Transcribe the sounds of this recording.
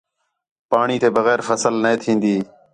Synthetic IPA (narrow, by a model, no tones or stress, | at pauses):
paːɳiːt̪eːbəɣɛːɾfəsəlneeːt̪ʰĩːnd̪iː